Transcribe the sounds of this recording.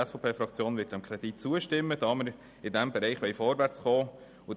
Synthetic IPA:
ɛsfopʰeːfɾɑkt͡sjoːnvʋɪt̚d̥ɛmkʰɾɛd̥it̚t͡suəʃtɪmːəd̥ɑːməɾ | ɪdɛmbɛɾɛɪχʋɛɪfɔɾʋæɾt͡sχɔː | ʊ

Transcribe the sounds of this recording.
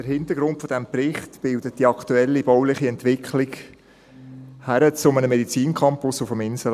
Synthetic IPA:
əɾhɪnt̪əɾɡɾʊntfɔdɛmprɪχtb̥ɪldət̚d̥iɑktuɛlːib̥ɔwlɪχiɛntʋɪkχlɪk | hæɾət͡sʊmənəmɛdit͡siːnkʰχɑmpʊsʊfəmɪnsəl

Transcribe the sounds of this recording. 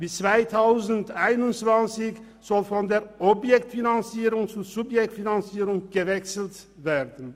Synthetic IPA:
b̥ɪt͡sv̥aɪtʰaʊzn̩taɪnʊnv̥ant͡sɪç | z̥ɔlfɔndeːɐʔɔbjɛktfinant͡siːʁʊŋt͡suːzʊpjɛk̚tfinant͡siːʁʊŋɡ̥əvɛksl̩t | veːʁdən̩

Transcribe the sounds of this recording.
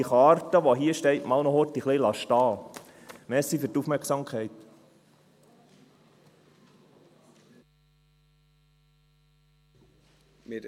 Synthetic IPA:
iχɑːrtəʋoɦiəʃtɛɪtmɑlnɔhotːiχlilɑʃtɑː | mɛːsːifyɾtufmɛɾksɑmkʰχɛɪt̪ | mɪ

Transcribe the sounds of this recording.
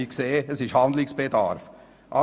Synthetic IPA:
ikseːəsɪʃhɑnd̪lɪksb̥edɑ̰ɾf | ʔɑ̰

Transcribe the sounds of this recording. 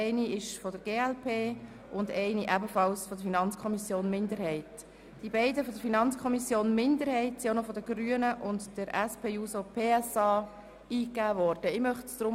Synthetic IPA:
ɛɪniɪʃfɔdəɾɡ̥eːɛlpʰeː | ʊndɛɪniʔæbəfɑlsfɔd̪əɾfinɑnt͡skʰɔmisjoːnmɪndəɾɦɛɪt | d̥ibɛɪdəfɔdəɾfinɑnt͡skʰɔmisjoːnmɪndəɾhɛɪtsionɔfɔdəɡɾyːənəʔʊndd̥əɾɛspeːuːsopʰeːɛsɑː | iːkæːʋɔːɾd̥əɪmœχtsd̥ɾʊm

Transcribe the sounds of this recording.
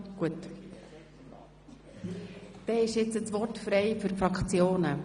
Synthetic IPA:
ɡ̥uət | d̪̥ɛːɪʃɪt͡səsʋɔrtfɾɛɪfyɾfɾɑkʰt͡sjoːnə

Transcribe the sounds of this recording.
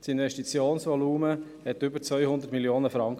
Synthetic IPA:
tsɪnvɛʃtit͡sjoːnsʋɔluːmə | hɛtʏbəɾt͡sʋœʏhʊnd̪əɾtmiljoːnəfɾɑŋk

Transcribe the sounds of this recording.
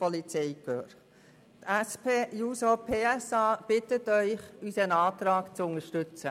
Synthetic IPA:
pɔlit͡sɛɪkøːɾ | t̪ɛspʰeːjuːsɔpʰeːɛsɑːb̥ɪtətœʏχysənɑːt̪ɾɑːkt͡sʊŋəʃtʏt͡sə

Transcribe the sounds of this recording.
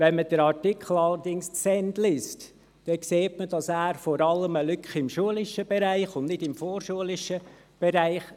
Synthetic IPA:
ʋɛnməd̥əɾɑɹtɪkʰl̩ɑlədɪŋssɛnd̪lɪst | d̥ɛkseːtməd̥ɑsæːɾfɔɾɑləməlʏkχɪmʃuəlɪʃəb̥ɛɾæɪχʊndnɪdɪmfɔːɾʃuəlɪʃə | b̥ɛɾæɪχ

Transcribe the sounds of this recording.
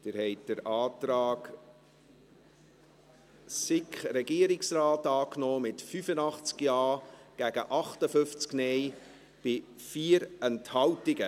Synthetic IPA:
d̥ɪːɾhɛɪt̚d̥əɾɑːtɾɑːɡ | sɪkχɾɛɡiːəɾɪksrɑːtɑːknoːmɪtfyfənɑχt͡skjɑːɡ̥æɡ̥əʔɑχtəfʏft͡sknɛj | b̥ɪ | fiːəɾɛnthɑwtɪɡə

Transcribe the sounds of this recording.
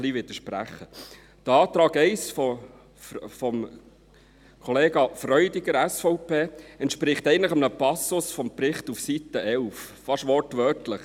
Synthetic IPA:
liʋɪd̥̪əʃpræ̰χːə | d̪̥əɑːt̪ɾɑːɡɛɪsfɔ | fɔm | kʰɔleːɡɑfrœʏdiɡ̥əɾæsfɔʊpʰeːɛntʃpɾɪχt̪ɛɪəntləχəmnəpɑsʊsfɔmprɪχtufsitəʔɛlf | fɑʃʋɔrtʋœtləχ

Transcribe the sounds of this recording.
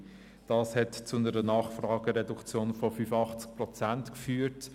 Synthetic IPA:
d̥ɑːshɛtt͡sʊnəɾənɑːχfɾɑːɡ̥əɾɛdukt͡sjoːnfɔfyfɑχt͡sk̚prɔt͡sæntkfyːəɾt

